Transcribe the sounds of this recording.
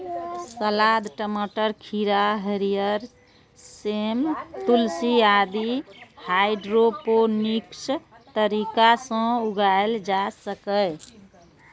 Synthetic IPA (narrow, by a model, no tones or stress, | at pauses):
səlad̪ʈəməʈəɾkʰiɾaɦəɾijəɾ | semt̪ulsiad̪ihajɖɾoponiks | t̪əɾikasə̃uɡaeld͡ʒasəkəj